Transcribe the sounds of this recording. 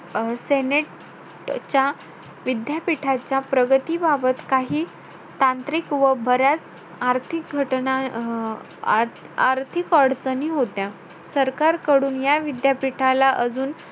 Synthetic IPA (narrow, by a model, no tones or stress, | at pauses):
seneʈ | t͡ɕja | ʋid̪japiʈʰat͡ɕjapɾəɡət̪iːbabət̪kaɦiː | t̪ãnt̪ɾikʋəbʱəɾat͡s | aɾt̪ʰik̚ɡʱəʈna | aɾt̪ʰikəɽt͡səniɦot̪ja | səɾkaɾkəɽuːnjaʋid̪japiʈʰalaʔəd͡zuːn